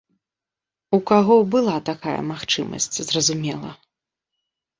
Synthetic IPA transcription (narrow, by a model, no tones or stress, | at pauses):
ukaɣɔbɨlˠat̪akajɐ̰maxt͡ʂɨmɐ̰sʲt͡sʲzrɐzumʲɛlˠɐ